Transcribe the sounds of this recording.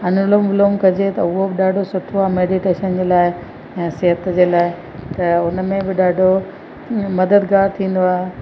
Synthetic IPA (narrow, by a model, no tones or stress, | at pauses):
ɐnʊlomʋɪloːmkɐd͡ʑet̪ɐʊɦobɪɗaːɖʱosʊʈʰoaːɦmeːɖiʈeːʃənd͡ʑeːlaːɪ̃ | sɪɦət̪d͡ʑeːlaːɪ | t̪ɐʊnmẽbɪɗaːɖʱo | mɐd̪əd̪ɡaːɾt̪ʰĩːn̆d̪oaːɦe